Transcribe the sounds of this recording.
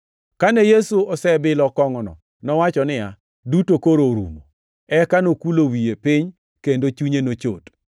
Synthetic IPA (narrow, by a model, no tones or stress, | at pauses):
kanɛjesuɔsɛbɪlɔkɔŋɔnɔ̰ | nɔwat͡ʃɔnɪa | dutokoɾoɾṵmo | ɛkanokulowijepɪɲ | kendot͡ʃuɲenot͡ʃo̰t